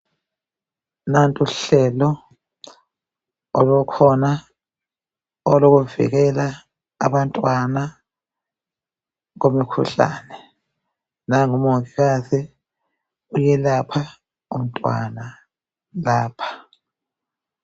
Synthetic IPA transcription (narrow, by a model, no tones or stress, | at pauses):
nantʼuɬɛlɔ | ɔlukʰɔna | ɔloɣuvḭɣ̬ɛla̰ː | βantʼwana | komikʰṵɬa̰ːnɛ | naŋumfiasɛ | ujɛlapʰa | um̩tʼwa̰na | laːpʰḁ